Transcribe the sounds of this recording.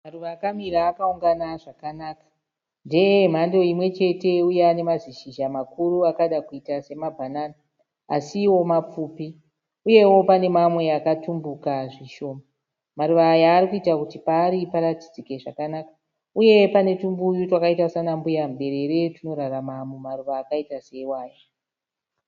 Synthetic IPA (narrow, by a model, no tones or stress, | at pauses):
maruʋaːkamiɾaːkauŋɡanaʐakanaːkḁ | ndejem̤ando̞imwe̞t͡ʃe̞te̞ujeane̞maziʃiʒamakuruakaɗakuitase̞mabʱanaːna | a̰siwo̞map͡fupi | uje̞wo̞pane̞mamwe̞akatumbukaʐiʃo̞ːma | maɾuʋaːjaːɾikuitakutipaːɾipaɾatid͡zike̞ʐa̰kanakḁ | uje̞pane̞tumbujutwakaitasanambujamɓe̞ɾe̞ɾe̞tino̞ɾaramamumaruʋaːkaitase̞iwaːjo